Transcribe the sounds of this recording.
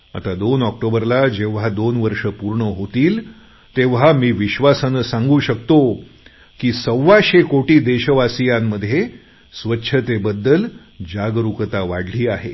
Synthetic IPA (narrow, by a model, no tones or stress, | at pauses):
a̰t̪ad̪onɔk̚ʈobəɾlad͡ʑeʋ̤ad̪onʋəɾʂəpuɾɳəɦot̪iːl | t̪eʋ̤ɦamiːʋiɕʋasanəsãŋɡuːɕək̚t̪o | kiːsəʋːaɕekoʈiːd̪eɕəʋasijamːəd̪ʱje | sʋətːɕʰət̪ebəd̪ːəl | d͡ʑaɡɾukət̪aʋaɽliːaɦe